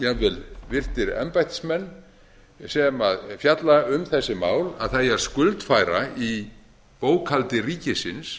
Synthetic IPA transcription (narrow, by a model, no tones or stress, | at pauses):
javɪlvɪr̥t̪ɪɾɛ̰mpajht̪smɛnː | sɛmaðfjat̪laʏmθɛsːɪmaːwlaðθajaðskʏlt̪faːjɾai | poːwkʰalt̪ɪriːcɪsɪns